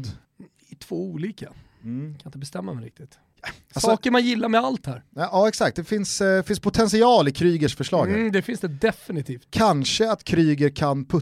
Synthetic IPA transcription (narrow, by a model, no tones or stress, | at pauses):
d̪ | ɪt̪ʰv̥oːuːliːka | kʰanɪt̪əbɛst̪ɛmːaɛɾɪk̚t̪ɪt̪ | sasɑːkəɾmanjɪlːaɾmɛalt̪hæɾɑːɛksak̚t̪̚d̪ɛfɪnsfɪnspʰʊt̪ʰɛnsɪɑːlɪkʰɾyːɡəʂfœʂɭɑːɡd̪ɛfɪnsd̪ɛd̪ɛfɪnɪt̪ʰiːft̪kʰanʂəat̪kʰɾyːɡəɾkʰanpʰɵ